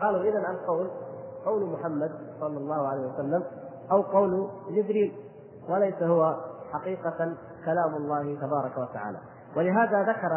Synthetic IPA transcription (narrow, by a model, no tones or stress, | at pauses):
qɑːluːʔɪnanʔalqɑwlqɑwlmʊħamːad̪̚sˤɑlːɑlˤːɑːhʊʕalajhɪwasalːam | ʔawqɑwld͡ʒɪd̪ɾiːl | walajsahʊwaħaqiːqɑ | kalaːmalˤːɑːhɪt̪abɑːɾˤɑkawat̪aʕa̰ːla̰ | wʔalɪɦaːðaðakɑɾˤ